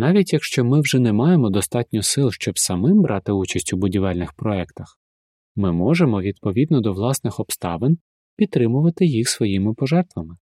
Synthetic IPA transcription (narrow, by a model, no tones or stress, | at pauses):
nɑʋʲitʲjɐkʃt͡ʃɔmɪwʒɛnɛmɑjemɔd̪ɔst̪ɑtʲnʲʊsɪlˠʃt͡ʃɔbsɐmɪmbɾʔɑt̪ɪut͡ʃɐsʲtʲʊbʊdʲiʋɛlʲnɪxpɾɔɛkt̪ɐx | mɪmɔʒemɔʋʲid̪pɔʋʲid̪nɔd̪ɔʋlˠɑsnɪxɔpst̪ɑ̰ʋen | pʲid̪̚t̪ːɾɪmʊʋɐt̪ɪjixsʋɔjimɪpɔʒɛrt̪ʋɐmɪ